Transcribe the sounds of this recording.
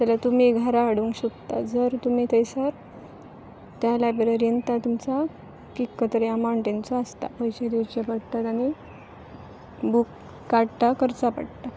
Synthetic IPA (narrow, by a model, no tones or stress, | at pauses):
t͡ɕalat̪um̤iɡʱəɾaːɽũŋkɕud̪t̪a̰d͡zəɾt̪um̤it̪ʰəjsəɾ | t̪jalapiɾəɾjənt̪at̪umt͡sa | kikːət̪əɾjamaɳʈent͡sɔəst̪a̰pəjɕed̪iwt͡ɕepəɽt̪at̪aɽ̃i | bukː | aɽt̪akəɾt͡sapa̰ɽt̪a